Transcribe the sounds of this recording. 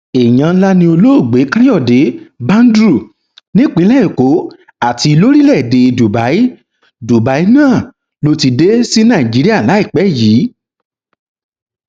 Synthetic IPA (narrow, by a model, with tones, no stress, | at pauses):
e˨j̃ã˧˦la˦nĩ˧˦o˧lo˦o˦˨ɡ͡be˨˦kã˦jɔ˦˨de˨˦bã˦n˦dɾu˦˨ | nĩ˦k͡pĩ˨˦lɛ˦ĩ˦˨ko˨˦ | a˦˨ti˧i˧lo˦ɾi˦lɛ˦˨de˧i˧du˨ba˨˦i˦ | du˨ba˨˦i˦nãː˦˨ | lo˧ti˧de˦si˦nã˦˨i˨d͡ʒi˨˦ɾi˦a˦˨la˨˦i˦˨k͡pɛ˨˦jiː˨˦